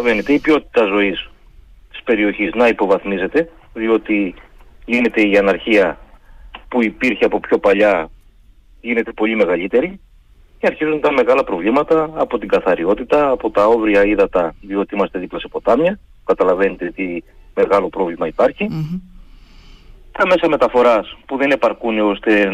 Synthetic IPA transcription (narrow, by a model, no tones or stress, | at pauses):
ɐve̞net̪e̞ipio̞t̪i̥t̪ɐzo̞is | t̪i̥spe̞ɾio̞çiznɐipo̞vɐθmize̞t̪e̞ | ðio̞t̪i | line̞t̪e̞iɐnɐɾçiɐ | puipiɾçeɐpo̞pço̞pɐʎɐ | ʝine̞t̪e̞po̞ʎime̞ɣɐʎit̪e̞ɾi | ceɐɾçizunit̪ɐnme̞ɣɐlɐpɾo̞vlimɐt̪ɐːpo̞t̪iŋɡɐθɐɾio̞t̪it̪ɐːpo̞t̪ɐo̞vɾiɐiðɐt̪ɐðio̞t̪iimɐst̪e̞ðiplɐsepo̞t̪ɐmɲɐ | kɐt̪ɐlɐve̞net̪et̪i | me̞ɣɐlo̞pɾo̞vlimɐipɐɾçi | t̪ɐme̞sɐme̞t̪ɐfo̞ɾɐspuðe̞ne̞pɐɾkuneo̞st̪e̞